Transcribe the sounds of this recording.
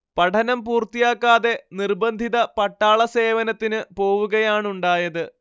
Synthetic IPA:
pɐʈʰɐnɐmpuːrt̪ijaːkːaːðe̞nirbɐnd̪ʱiðɐpɐʈːaːɭɐse̞ːʋɐnɐt̪ːinɨpo̞ːʋuɣɐjaːɳuɳɖaːjɐðɨ

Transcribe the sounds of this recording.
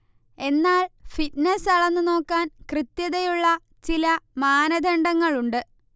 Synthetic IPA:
e̞nːaːɭfitnesɐɭɐnːɨno̞ːkːaːnkrɨt̪jɐðɐjuɭːɐ | t͡ɕilɐmaːnɐd̪ʱɐɳɖɐŋːɐɭuɳɖɨ

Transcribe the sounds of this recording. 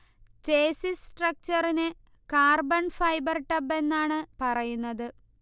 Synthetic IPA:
t͡ɕeːsisʈrɐk̚t͡ɕɐrine | kaːrbɐɳfɐjbɐrʈɐbe̞nːaːɳɨpɐrɐjunːɐðɨ

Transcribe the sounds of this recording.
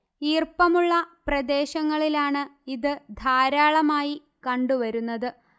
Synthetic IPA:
iːrpɐmuɭːɐprɐd̪e̞ːɕɐŋːɐɭilaːɳɨiðɨd̪ʱaːɾaːɭɐmaːji | kɐɳɖuʋɐɾunːɐðɨ

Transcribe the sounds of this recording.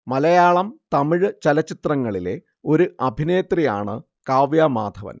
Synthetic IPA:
mɐlɐjaːɭɐmt̪ɐmiɻɨt͡ɕɐlɐt͡ɕːit̪rɐŋːɐɭile̞̰ | o̞ɾuʔɐbʱineːt̪rija̰ːɳɨ | kaːʋjamaːd̪ʱɐʋɐ̰n

